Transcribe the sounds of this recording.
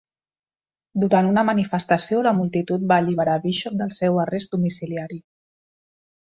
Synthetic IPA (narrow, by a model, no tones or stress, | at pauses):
d̪uɾanunəmənifəst̪əsioləmulˠt̪it̪ut̪̚baːʎiβəɾaβiʃɔp̚d̪əlˠsɛwərezd̪umisiliaɾi